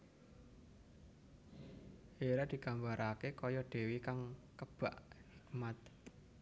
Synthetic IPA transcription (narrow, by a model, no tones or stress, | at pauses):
ʔeɾad̪̥i̤kambaɾʔakekɔjɔɖ̪̥e̤wikaŋkəb̥a̤ʔhik̚mat̪̚